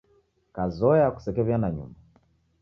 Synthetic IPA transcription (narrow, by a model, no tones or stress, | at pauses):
kazɔjaku̥sɛkɛβjanaɲṵmba